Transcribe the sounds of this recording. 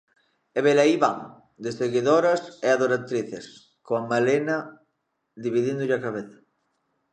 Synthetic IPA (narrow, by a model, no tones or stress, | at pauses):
eβelaiβa̰ŋ | d̪eseɣiðoɾɐseaðoɾat̪ɾiθes | koamalenɐ | d̪iβiðind̪ʊʎakaβeθḁ